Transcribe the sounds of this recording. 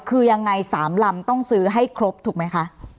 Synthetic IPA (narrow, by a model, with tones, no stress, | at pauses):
kʰɯː˧ja˧ŋːa˧jsaː˩˦mla˧mt̪ɔ˥˩ŋsɯː˦˥ɦa˥˩jkʰɾo˦˥p̚t̪ʰuː˨˩ma˦˥jkʰa˦˥ʔ